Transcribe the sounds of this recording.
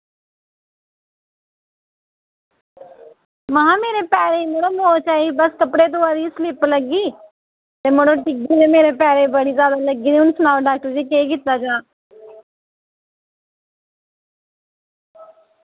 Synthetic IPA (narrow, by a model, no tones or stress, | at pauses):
mãmeːɾeːpɛːɾeːiːmoɽoːmoːt͡ʃaːiːbəskəpɽeːt̪oaːɾiːslɪpləɡiː | t̪eːmoɽoːʈɪɡiːt̪eːmeːɾeːpɛːɾeːbəɽiːzjaːd̪aːləɡiːd̪iːʊnsənaːʋɖaːk̚ʈəɾd͡ʒiːkeːk̬ɪt̪ːaːd͡ʒãː